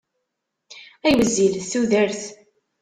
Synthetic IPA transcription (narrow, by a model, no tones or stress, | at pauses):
æjwəzːilθθuðəɾθ